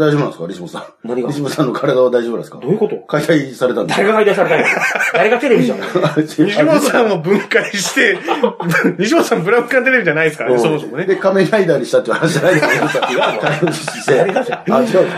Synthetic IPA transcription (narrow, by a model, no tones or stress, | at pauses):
d̪aiʑo̞bɯnãsɨ̥kaɾʲisimosã | naɲiɾʲisibosãnːo̞kʰaɾad̪aβad̪aiʑo̞bɯnasɨ̥ka̰d̪ojɯkot̪okait̪aisaɾe̞t̪ãnd̪eaɾeɡakaid̪aisaɾet̪ãd̪aɾeɡat̪eɾebʲiant͡ɕiɲiɕimosãɰ̃obɯ̟̃ŋkaiɕi̥t̪e̞ | ɲ̟iɕ̬imosãmbɯ̟ɾabɯkãnt̪eɾe̞bʲiʑanaiesɨ̥kasomosomned̪ekameɾaid̪aːɲiɕi̥t̪at̪ːehanaɕianait̪ | t̪aioiɕt̪eaat͡ɕiɡa